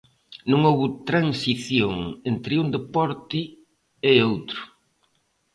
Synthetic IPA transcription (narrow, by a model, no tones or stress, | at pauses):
nõŋowβʊt̪ɾaŋsiθjoŋent̪ɾɪund̪epɔɾt̪ɪ | eowt̪ɾʊ